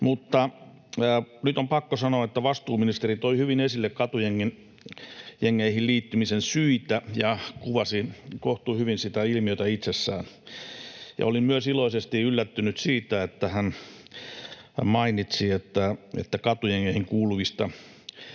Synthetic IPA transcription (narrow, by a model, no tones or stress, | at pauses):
mut̪ːɑ | nyt̪ompɑkːosɑnoɑet̪ːæʋɑst̪uːminist̪erit̪oihyʋinesilːekkɑt̪ujeŋːin | jeŋːeihilliːt̪ːymisensyit̪æjɑkuʋɑsikoht̪uːhyʋinsit̪æilmiøit̪æit̪sesːæ̰ːn | jɑ̰olimmyøsiloisest̪iylːæt̪ːynyt̪siːt̪æet̪ːæhæn | mɑinit̪siet̪ːæḛt̪ːækɑt̪ujeŋːeihiŋkuːluʋist̪ɑ